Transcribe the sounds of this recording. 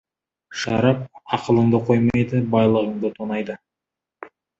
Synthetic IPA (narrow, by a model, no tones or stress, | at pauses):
ʃɑ̰ɾɑp̚ɑqəlˠəɴd̪əqʰojmɑjd̪əbɑjlˠəʁəɴd̪ət̪ʰonɑjd̪ə